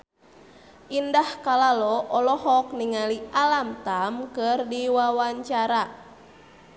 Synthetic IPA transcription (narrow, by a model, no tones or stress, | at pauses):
ʔindahkalalɔʔɔlɔɦɔk̚niŋalialamt̪amkɨrdiwawaɲt͡ʃaɾa